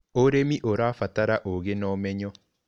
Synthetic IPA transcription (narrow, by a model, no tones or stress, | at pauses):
oɾemiʔoɾaːfataɾaʔoɣenɔmɛɲɔ